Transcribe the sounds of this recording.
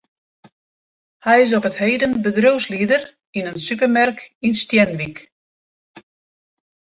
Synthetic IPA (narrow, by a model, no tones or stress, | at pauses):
hɛjɪs̬ɔpəthejdənbədrøwsliədər | inənsypərmɛrkinstjɛnʋik